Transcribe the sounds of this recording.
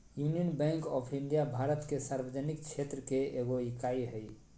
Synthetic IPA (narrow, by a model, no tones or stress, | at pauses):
junijənbɛ̃ŋkɔpʰĩnd̪ijabʱaɾət̪kesaɾbəd͡ʒənikt͡ʃʰet̪ɾəkeeɡoikaiɦəj